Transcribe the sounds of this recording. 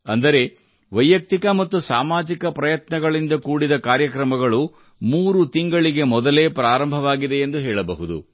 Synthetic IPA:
ɐnd̪ɐɾe̞ | ʋɐjːɐk̚t̪ikɐmɐt̪ːusaːmaːd͡ʒikɐpɾɐjɐt̪nɐɡɐɭind̪ɐkuːɽid̪ɐkaːɾjɐkɾɐmɐɡɐɭu | muːɾut̪iŋɡɐɭiɡe̞mɔd̪ɐle̞ːpɾaːɾɐmbʱɐʋaːɡid̪e̞ːnd̪uɦɛːɭɐbɐɦud̪ṵ

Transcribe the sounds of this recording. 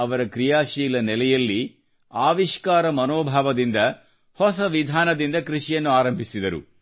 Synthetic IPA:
ɐʋɐɾɐkɾijaːʃiːlɐnɛlɛjɐlːi | aːʋiʃkaːɾɐmɐnoːbʱaːʋɐd̪ind̪ɐ | hɔsɐʋid̪ʱaːnɐd̪ind̪ɐkɾiʂijɐnːuaːɾɐmbʱisid̪ɐɾṵ

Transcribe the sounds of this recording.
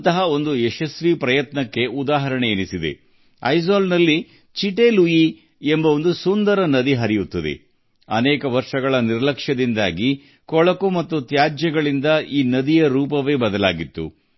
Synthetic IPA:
t̪ɐɦɐo̞nd̪ueʃɐsʋipɾɐjɐt̪nɐkːe̞ud̪aːɦɐɾɐɳeːnisid̪ḛ | ɐjzaːlnɐlːi | t͡ʃiʈeluji | embɐo̞nd̪usund̪ɐɾɐnɐd̪iɦɐɾijut̪ːɐd̪ḛ | ɐ̰nɛːkɐʋɐɾʂɐɡɐɭɐniɾɐlɐkʂɐd̪ind̪aːɡi | kɔɭɐkumɐt̪ːut̪jaːd͡ʒjɐɡɐɭind̪ɐiːnɐd̪ijɐɾuːp̬ɐʋe̞ːbɐd̪ɐla̰ːɡit̪ːṵ

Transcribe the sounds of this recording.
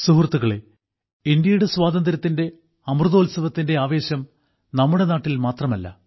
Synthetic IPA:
suɦurt̪ːuɣɐɭe | indjɐjuɽeswaːd̪ɐnd̪ɐɾɐt̪ːinde̞ | ɐmrɨðo̞ːlsɐʋɐt̪ːinde̞aːʋe̞ːɕjɐm | nɐmːuɽe̞naːʈːilmaːt̪rɐmɐlːɐ̰

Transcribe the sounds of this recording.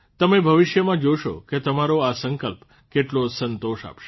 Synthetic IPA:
t̪əmebʱəʋɪʃjəmãd͡ʒoʃo̰ket̪əmaɾoasəŋkəlp | keʈlosənt̪oʃa̰pʃe

